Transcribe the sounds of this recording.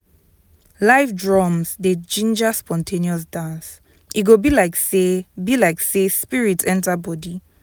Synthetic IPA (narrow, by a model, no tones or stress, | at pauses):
laɪfdɹɔmsded͡ʒĩnd͡ʒaspɔ̃ntʰeniɔs̬dãns | ʔiɡobilaɪksebilaɪksespiɹitʰɛ̃ntabɔdi